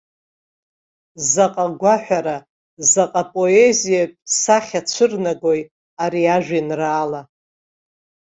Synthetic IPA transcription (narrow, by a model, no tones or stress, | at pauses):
zaqʼaɡʷaħʷᶣaɾa | zaqʼapʼo̞ezijapʼsaχʲat͡ʃʷʰɨrnaɡo̞j | aɾiaʒᶣʷinraːla